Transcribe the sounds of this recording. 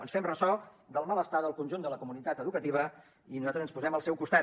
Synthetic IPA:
ə̰nsfɛmrəsɔ | d̪əlˠmaləst̪aðəlˠkunʲʒund̪ələkumunit̪at̪əðukət̪iβ̞ə | inuzat̪ɾəzənspuzɛməlˠsɛwkust̪at̪

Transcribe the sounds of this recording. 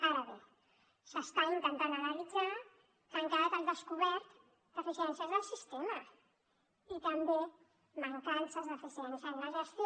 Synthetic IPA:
aɾəβe | səst̪aint̪ənt̪anənəlidd͡za | kəŋkaðət̪and̪əskuβɛɾt̪ | d̪̥əfisiɛnsəzðəlˠsist̪emə | it̪əmbe | məŋkansəzðəfisiɛnsələʒəst̪

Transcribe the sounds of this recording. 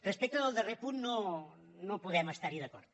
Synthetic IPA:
rəspɛk̚t̪əəlˠd̪ərepunno | nopuðɛməst̪aɾiðəkɔ̰ɾt̪

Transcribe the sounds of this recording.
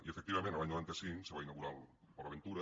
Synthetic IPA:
iefek̚t̪iβamẽnt̪aaɲoant̪easiseβainaɣuɾal | poɾaβent̪uɾɐ

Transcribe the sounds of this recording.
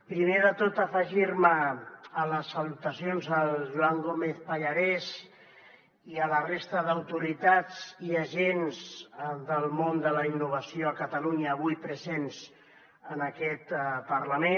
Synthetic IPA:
pɾimeðət̪ot̪əfəʒiɾməːləsːəlut̪əsijonzəlʒuwaŋɡomeθpəʎəɾɛz | iələrest̪əðəwt̪uɾit̪ad͡ziəʒenzd̪əlˠmond̪ələinːuβ̞əsioəkət̪əluɲəːβujpɾəzenz | ənəkɛt̪pərləme

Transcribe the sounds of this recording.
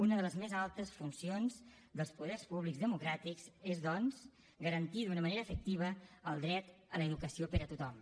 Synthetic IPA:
unəðələzmezalˠt̪əsfunsionz | d̪əlˠspuðɛrspuβliɡzðəmukɾat̪ikzezðɔnz | ɡəɾənt̪iðunəməneɾəːfək̚t̪iβ̞əːlˠd̪ɾɛt̪ələːðukəsiopəɾət̪ut̪ɔm

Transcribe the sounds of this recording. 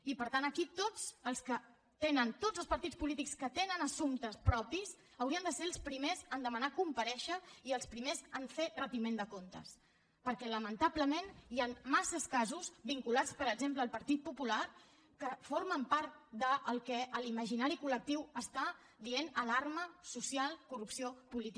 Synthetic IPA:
ipəɾt̪anəkit̪od͡zəlˠskə | t̪enənt̪od͡zəlˠspəɾt̪it͡spulit̪ikskət̪enənəsumt̪əspɾɔpis | əwɾiənd̪əseəlˠspɾimezənd̪əmənakumpəɾɛʃəiəlˠspɾimezəɱferət̪imend̪əkont̪ə̰s | pəɾkɛləmənt̪abləmenianmːasəskazuzβiŋkulat͡spəɾəɡzempləːlˠpəɾt̪it̪̚pupulaɾ | kəfoɾməmpaɾt̪̚d̪əʔːlˠkɛʔəliməʒinaɾikulək̚t̪iwəst̪a | d̪ienəlarməsusialˠkurupsiopulit̪i

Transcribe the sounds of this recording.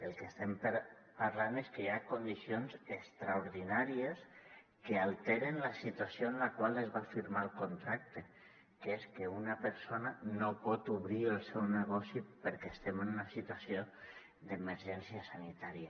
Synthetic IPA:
əlˠkest̪ɛmp | paɾlaneskəjakond̪isionzəkst̪ɾauɾðinaɾiəs | kəalˠt̪eɾenləsit̪uasjoənlakwalˠəzβafiɾmalˠkont̪ɾak̚t̪e | keskeunəpəɾsonənopɔt̪uβɾiəlˠsɛwnəɣ̞ɔsipəɾkest̪ɛmənunəsit̪wasio | d̪əməɾʒɛnsiəsanit̪aɾiə

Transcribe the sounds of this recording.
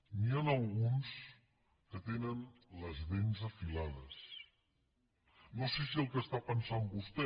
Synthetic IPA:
nianəlˠɣuns | kət̪enənləzðenzəfilað̞əs | nosesiəlˠkəst̪apənsambust̪ɛ

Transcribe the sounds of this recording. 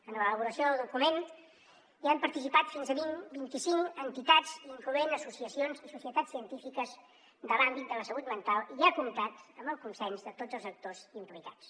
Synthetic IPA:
ənələβ̞uɾəsioðukumen | iampəɾt̪isipat̪finzəβinbint̪isiŋkənt̪it̪ad͡ziŋkluenəsusiəsionzisusiət̪asːiənt̪ifikəz | d̪əlambit̪̚d̪ələsəɣut̪mənt̪alˠiʒakumit̪at̪əmbəlˠkunsɛnzðət̪od͡zəlˠzək̚t̪ozimplikat͡s

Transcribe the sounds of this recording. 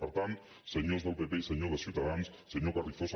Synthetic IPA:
pəɾt̪ant̪ | səɲozðəlˠpepeisəɲoðəsiuwt̪aðanssəɲokarlifos

